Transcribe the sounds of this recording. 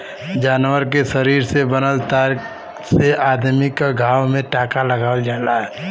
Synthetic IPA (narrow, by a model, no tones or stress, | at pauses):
d͡ʒaːnwəɾk̬esəɾiːɾsebənəlt̪aːɾk | seʔaːd̪mɪkaɡʱaːwmẽʈaːkalɐɡaːld͡ʒaːlaɦɛː